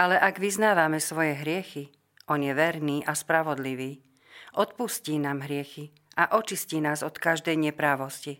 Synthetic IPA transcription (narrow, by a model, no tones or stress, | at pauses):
ʔalɛʔaɡʋiznaːʋamɛsʋɔjɛɦɾɪɛxi | ʔɔnjɛʋɛɾniːʔaspɾaʋɔd̪liʋiː | ʔɔt̪̚pusciːnaːmɦɾɪɛxi | ʔaʔɔt͡ʃisciːnaːzɔt̪kaʒd̪ɛjɲɛpɾaːʋɔsci